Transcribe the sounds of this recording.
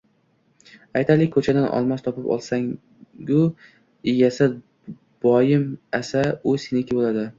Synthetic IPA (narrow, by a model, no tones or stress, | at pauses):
ajt̪ʰalɪkʲʰːɵt͡ʃʰad̪anʔɒ̰lˠmast̪ʰɒpɪpɒ̰lˠsaŋ | jʊ | ɪjʲasɪ | b̥ɒjɪmasaʊsenɪkʲɪbolad̪ɪ